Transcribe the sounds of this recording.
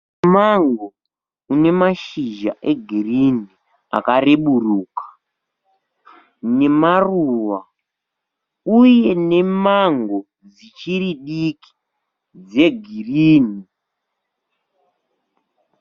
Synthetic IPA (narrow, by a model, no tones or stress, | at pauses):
maŋɡo | une̞maʃiʒa̰ʔe̞ɡʱirini | a̰kareɓuruːkḁ | ne̞maruʋa | uje̞ne̞maŋɡo | d͡zit͡ʃiɾiɗiki̥ | d͡ze̞ɡʱiriːni